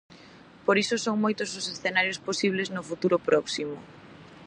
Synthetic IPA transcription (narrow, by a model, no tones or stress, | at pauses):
poɾisʊsoŋmojt̪ʊsʊsesθenaɾjosposiβ̞leznʊfut̪uɾʊpɾɔksimʊ